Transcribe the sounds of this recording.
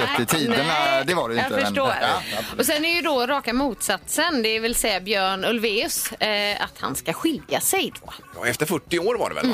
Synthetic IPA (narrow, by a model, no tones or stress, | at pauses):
ɛət̪ʰiːd̪ənad̪ɛvaɾɛj̪fəʂʈoːɾɔsɛnæɾjɵd̪ɔɾɑːkamuːt̪sat̪sənd̪ɛvɪlsɛjːabjœːɳɵlveːɵsa̰t̪ha̰nskaɧɪljasɛjd̪o̰j̰ːɛft̪əɾfœʈːɪoːɾva̰ɖɛ̰ɛ̰